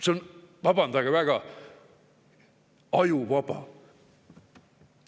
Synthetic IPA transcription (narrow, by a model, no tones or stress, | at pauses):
seonvɑb̥ɑnd̪̥ɑɡ̥ɑvæɡ̥ɑ | ɑjuvɑb̥ɑ̰